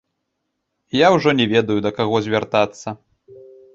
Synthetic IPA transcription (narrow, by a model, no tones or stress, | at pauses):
jawʐɔnʲɛvʲɛd̪ɐjud̪ɐkaɣɔzʲvʲart̪at̪sːɐ